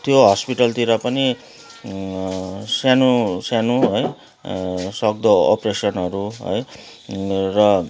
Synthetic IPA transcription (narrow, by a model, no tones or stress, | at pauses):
t̪joɦʌspiʈʌlt̪iɾʌpʌni | sjanusjanuɦʌj | sʌk̚d̪ʌʌ̰presʌnʌɾuɦʌ̰j | rʌ